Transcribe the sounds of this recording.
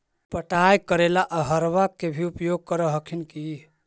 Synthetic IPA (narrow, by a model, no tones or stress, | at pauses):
pəʈajkəɾelaʔəɦəɾʋakːebʱiupjoɡ̚kəɾəɦəkʰinki